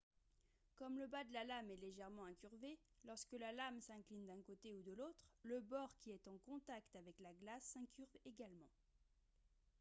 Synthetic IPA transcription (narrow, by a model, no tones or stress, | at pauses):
kɔmləbad̪əlalamɛleʒɛʁmɑ̃ɛ̃kʲyʁve | lɔʁskəlalamsɛ̃klind̪ɛ̃kot̪eud̪əlot̪χləbɔʁkʲiɛt̪ɑ̃kɔ̃t̪akt̪avɛklaɡlasːɛ̃kʲyʁveɡalmɑ̃